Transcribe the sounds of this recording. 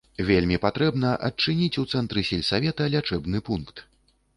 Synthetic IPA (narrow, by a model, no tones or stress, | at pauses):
vʲelʲmʲipat̪ɾɛbnɐʔɐt͡ʂɨnʲit͡sʲut̪sɛnt̪ɾɨsʲɛlʲsavʲɛt̪ɐlʲat͡ʂɛbnɨpunkt̪